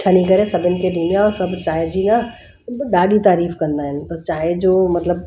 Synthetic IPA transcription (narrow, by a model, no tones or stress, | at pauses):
t͡ʃʰanɐɦĩkɐɾẽsɐbɪnkeɖʊnijaɔːɾsɐbt͡ʃaːɦed͡ʒina | ɗaːɖit̪aːɾiːfkɐ̃nd̪aːɦɪnbɐst͡ʃaːɦed͡ʒoːmɐt̪ləb